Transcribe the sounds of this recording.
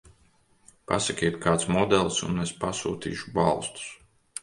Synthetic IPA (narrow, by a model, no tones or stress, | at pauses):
pa̰sakʲɛt̪kʰaːt̪smɔd̪ɛlˠsṵnespasṵːt̪ḭːʃubalˠst̪u̥s